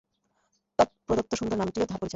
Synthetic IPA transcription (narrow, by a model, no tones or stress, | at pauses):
t̪ɔpɾod̪ok̚t̪oʃund̪ɾoɾnamʈiod̪ʱaɾpoɾit͡ɕʰo